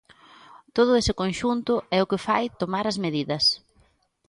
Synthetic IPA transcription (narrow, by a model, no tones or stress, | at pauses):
t̪oð̞ʊesɪkõnʃunt̪ʊɛʊkɪfajt̪omaɾɐzmeðiðɐs